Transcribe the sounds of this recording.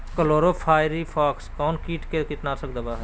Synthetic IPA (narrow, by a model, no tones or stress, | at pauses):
kəloːɾoːpʰaːɪɾiːpʰaːkskɔːnkiːʈkekɪt̪naːsək̚d̪abaːɦɛ